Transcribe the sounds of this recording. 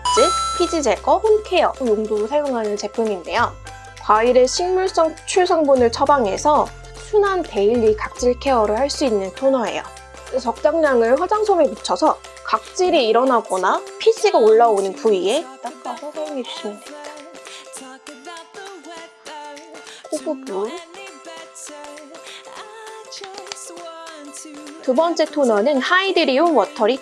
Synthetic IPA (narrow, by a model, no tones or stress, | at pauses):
t͡ɕ͈ipʰid͡ʑid͡ʑe̞ɡʌɸonkʰe̞ʌjoŋduɾosʰajoŋɦanɯnt͡ɕe̞pʰuŋinde̞jo | kwaiɾe̞ɕʰiŋmuɭs͈ʌŋt͡ɕʰuɭsʰʌŋbunɯɭt͡ɕʰʌbaŋɦe̞̰sʰʌ | sʰunɦante̞iʎːikak̚t͡ɕ͈iɭkʰe̞ʌɾɯɭhaɭs͈uinːɯntʰonʌɦe̞̰jo̰ | et͡ɕʌk̚t͡ɕ͈aŋɲaŋɯɭɸwad͡ʑaŋsʰomemut͡ɕʰʌsʰʌ | kak̚t͡ɕ͈iɾiiɾʌnaɡʌnapʰis͈iɡaoɭːaonɯnpuie̞t͈at͈asʰʌsʰʌoŋed͡ʑus͈ʰimaneta | kʰoɡubu | tubʌnt͡ɕ͈e̞tʰonanɯnhaidɯɾionwʌtʰʌɾi